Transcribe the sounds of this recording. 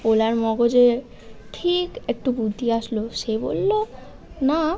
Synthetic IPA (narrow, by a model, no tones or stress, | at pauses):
olaɾmɔɡod͡ʑe | ʈʰikek̚ʈubud̪ʱiaʃloʃebo̰lːo | na